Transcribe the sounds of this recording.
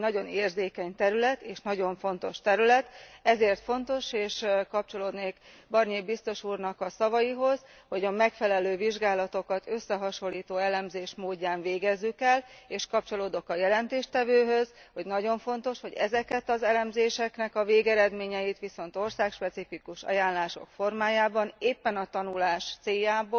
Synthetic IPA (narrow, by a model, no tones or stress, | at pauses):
nɒɟo̞neːrzeːkɛɲt̪ɛɾylɛt̪eːʃnɒɟo̞ɱfo̞nt̪o̞ʃt̪ɛɾylɛt̪ɛzeːrt̪fo̞nt̪o̞ʃeːʃkɒp̚t͡ʃo̞loːd̪neːkbɒrneːbist̪o̞ʃuːrnɒkɒsɒvɒjiɦo̞z | ho̞ɟɒmɛkfɛlɛløːviʒɡaːlɒt̪o̞kɒt̪ø̞sːɛɦɒʃo̞lːiːt̪oːɛlɛmzeːʃmoːɟːaːɱveːɡɛzːykɛleːʃkɒp̚t͡ʃo̞loːd̪o̞kɒjɛlɛnt̪eːʃt̪ɛvøːɦø̞z̥hoɟnɒɟo̞ɱfo̞nt̪o̞ʃhoɟɛ̰zɛkɛt̪ɒzɛlɛmzeːʃɛknɛkɒveːɡɛɾɛd̪meːɲɛjit̪ʋiso̞n̪t̪o̞rsaːkʃpɛt̪sifikuʃɒ̰jaːnlaːʃo̞̰kfo̞rmaːjaːbɒneːpːɛnɒt̪ɒnulaːʃt̪seːjːaːboː